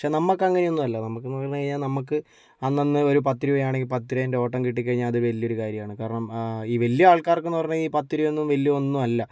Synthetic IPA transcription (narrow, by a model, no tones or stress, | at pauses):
ɐkʂenɐmːɐkːɐŋːɐne̞o̞nːumɐlːɐnɐmːɐkːenɐɐɲːɐkɐɻɲːaːlnɐmːuk̬ːɨ | ɐnːɐnːɨo̞ɾup̬ɐt̪ːiɾuʋɐjaːɳe̞ŋɡilpɐt̪ːiɾɐindeo̞ːʈːɐmkiʈːik̬ːɐɻiɲːaːlɐðɨʋɐlijo̞ɾukaːɾjɐmaːɳɨkaːɾɐɳɐmiːʋɐljɐaːɭkaːrkːenːupɐrɐɲːɨiːpɐt̪ːiɾuenːumʋɐljɐonːumɐlːɐ